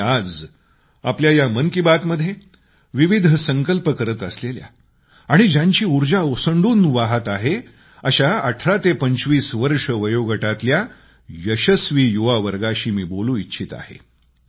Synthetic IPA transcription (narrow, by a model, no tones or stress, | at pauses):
ad͡z | apljajamənkibat̪məd̪ʱːje | ʋiʋid̪ʱsəŋkəlpəkəɾət̪əslelja̰ | aɽ̃id͡ʑãɲt͡ɕiːuɾd͡ʑaosəɳɖuːnʋaɦət̪aɦe | əɕaəʈʰɾat̪epəɲt͡sʋiːsʋəɾʂəʋəjoɡəʈat̪lja | jəɕəsʋiːjuʋaʋəɾɡaɕiːmiːbolũːitːɕʰiːt̪a̰hḛ